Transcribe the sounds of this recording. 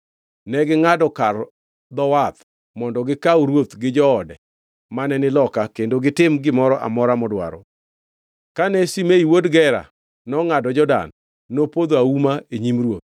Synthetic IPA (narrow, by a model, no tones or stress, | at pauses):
nɛɡɪŋadɔkar | d̪ɔwat̪ | mɔndɔɡɪkawuɾwot̪ɡɪd͡ʒɔɔdɛ̰ | manɛnɪlɔkakendoɡɪtɪmɡɪmɔɾɔʔa̰mɔɾamɔdwa̰ɾɔ̰ | kanɛsimeiwodɡɛɾa̰ | nɔŋadɔd͡ʒɔda̰nː | opod̪oaumaeɲimrwot̪̚